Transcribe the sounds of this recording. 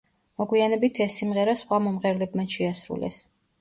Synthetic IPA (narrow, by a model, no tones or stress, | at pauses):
mɔɡwianɛbit̪ʰɛsːimʁɛɾasχwamɔmʁɛɾlɛbmaʃɛasɾṵlɛ̰s